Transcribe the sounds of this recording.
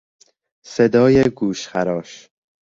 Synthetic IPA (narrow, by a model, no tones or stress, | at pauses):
sed̪ɒːjeɡuːʃχæɾɒːʃ